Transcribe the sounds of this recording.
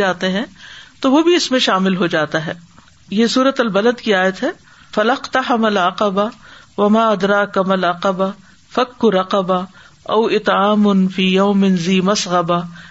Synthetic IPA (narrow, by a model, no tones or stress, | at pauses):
aːt̪eɦɛ̃ːt̪oʋobʱiɪsmẽʃaːmɪlɦod͡ʒaːt̪aɦɛː | jesuːɾət̪ɐlbɐləd̪kiaːjət̪ɦɛː | fɐlɐqt̪ɐħɐmɐlʕɐqɐba | ʋɐmaːʔɐd̪ɾaːkɐmɐlɐqɐba | fɐkːʊɾɐqɐba | ɐwɪt̪ʕaːmʊnfiːjɐːmɪnziːmɐsɣɐba